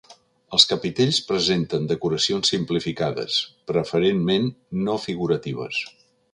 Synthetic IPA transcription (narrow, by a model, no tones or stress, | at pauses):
əlˠskəpit̪eʎspɾəzent̪ənd̪əkuɾəsionsːimplifikaðə̰spɾəfəɾenmenːofiɣuɾət̪iβ̞ə̰s